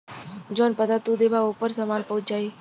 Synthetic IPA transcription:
d͡ʒonpəd̪at̪ud̪ebaopəɾsəmaːnpəɦʊt͡ʃd͡ʒaːiː

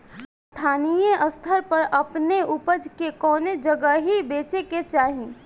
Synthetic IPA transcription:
st̪ʰaːnijeʔəst̪ʰəɾpɐɾɐpneʔʊpəd͡ʒkekɔːned͡ʒəɡəɦibeːt͡ʃeket͡ʃaːɦĩː

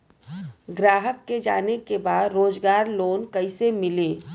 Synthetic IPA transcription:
ɡɾaːɦəkːed͡ʒa̰ːnekebaːd̪ɾoːd͡ʒɡaːɾloːnkɐɪsemɪleː

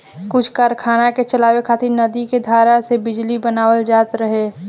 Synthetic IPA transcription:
kʊt͡ʃʰkaːɾkʰaːnaket͡ʃəlaːwekʰaːt̪ɪɾnɐd̪iked̪ʱaːɾasebɪd͡ʒlibənaːwəld͡ʒaːt̪ɾəɦeː

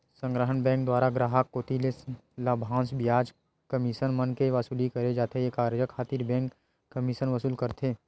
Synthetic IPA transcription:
sə̃ŋɡɾəɦənbɛ̃ːŋk̚d̪waːɾaɡɾaːɦəkːoːt̪ileslaːbʱãːsbijaːd͡ʒ | kəmiʃənmənkeʋasuːlikɐɾed͡ʒaːt̪ʰejekaːɾd͡ʒəkʰaːt̪iːɾbɛ̃ːŋkː | əmiʃənʋɐsuːlkɐɾt̪ʰeː

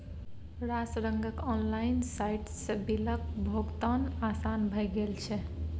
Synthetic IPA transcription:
ɾasɾəŋɡəkɔnlajnsajʈsəbilək̚bʱoɡt̪ənasanbʱəjɡelt͡ʃʰɛ

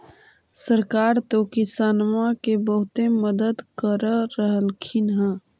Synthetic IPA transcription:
səɾkaːɾt̪okɪsaːnmãkebəɦʊt̪eməd̪əd̪kəɾəɾəɦəlkʰɪnɦɛ̃

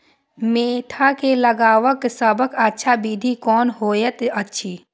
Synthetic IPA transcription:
meːʈʰakeləɡaːwəksəbəkətːʃʰabiːd̪ʱikɔːnɦoːjet̪ətːʃʰiː

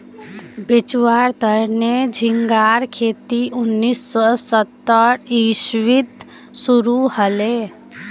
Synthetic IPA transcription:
bet͡ʃuwaɾt̪əɾned͡ʒʱiŋɡaɾkʰet̪iʔunːisːɔsət̪ːəɾisʋit̪ | suɾuhəle

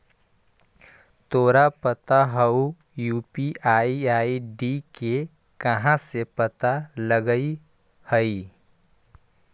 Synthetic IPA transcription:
t̪oːɾapət̪aɦəu | juːpiaːiaːiɖike | kɐɦãsepət̪aləɡəi | həi

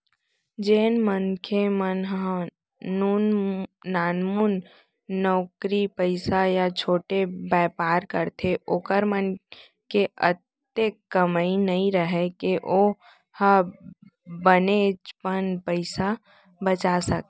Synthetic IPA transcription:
d͡ʒeːnmənkʰemənɦ | nunː | aːnmunː | ɔːkɾipəɪsajat͡ʃʰoːʈebɛːpaːɾkəɾt̪ʰeʔoːkəɾmən | keət̪ | ekːəmainəɦĩɾəɦekeʔoː | hə | bənet͡ʃpənpəɪsa | bət͡ʃasək

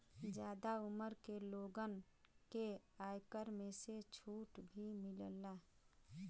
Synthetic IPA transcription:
d͡ʒjaːd̪aʊməɾkeloːɡənkeaːjkəɾmẽset͡ʃʰuːʈbʱimɪləlːa

